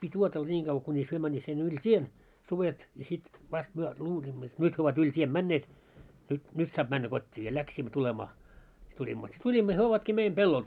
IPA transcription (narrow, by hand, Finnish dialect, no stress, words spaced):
pitʲ uotelːɑ nʲiːŋ ɡ̊ɑʋˑɑ̆ kunʲis hyø mænːiːt sinːe yl tʲien suʋet jɑ sit ʋɑst myø luːliːmːo jot nyt hyø oʋɑt ylʲ tʲien mænːeːt nyt nyt sɑːp mænːæ kotʲːiː jɑ læksiːmːæ tulemɑː si tulʲimːo si tulʲimːo jɑ hyø oʋɑtkiː meim pelːol